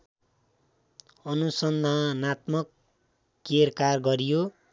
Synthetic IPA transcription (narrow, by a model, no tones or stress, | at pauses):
ʌnusʌnd̪ʱanat̪mʌkː | erkarɡʌɾijo